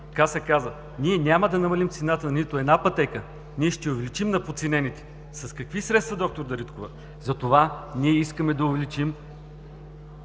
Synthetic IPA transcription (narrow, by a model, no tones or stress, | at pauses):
kasɛkazə | niɛnʲaməd̪ɐnɐmɐlimt̪sɛnat̪ənit̪oɛd̪napɐt̪ɛkə | niɛʃt̪ɛʊvɛlit͡ʃimnɐpot̪sinɛnit̪ɛ̥ | sɐskɐkvisɾɛt̪st̪vɐd̪ɔk̚t̪oɾd̪ɐɾit̪kovə | zɐt̪ovaniɛiskəmɛd̪ɐʊvɛlit͡ʃim